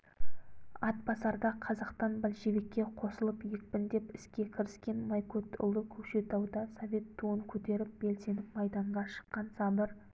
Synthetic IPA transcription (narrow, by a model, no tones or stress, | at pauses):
ɑt̪̚bɑsɑɾd̪ɑqʰɑzɑqt̪ɑnbɪlʒebe̞kʲːe̞qʰo̞səlˠəpjek̚pɪnd̪e̞pɪskʲe̞kʲʰɪɾɪskʲe̞nmɑjkʰot̪ʊ̰lˠəkʲʰɵpʃe̞t̪ʰɑwd̪ɑsovʲe̞t̪ʰːuəŋkʲʰɵt̪e̞ɾɪp̚be̞lse̞nɪpmɑjd̪ɑɴʁɑʃə̥qːɑnsɑbəɾ